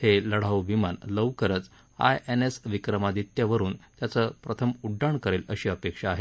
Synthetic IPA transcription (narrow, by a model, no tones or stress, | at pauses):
heləɽ̤aʋʋimanləʋkəɾət͡s | a̰jenesʋikɾəmad̪it̪jaʋəɾuːnt̪jat͡səːpɾət̪ʰəmuɖːaɳkəɾeləɕiːəpekʂaːɦe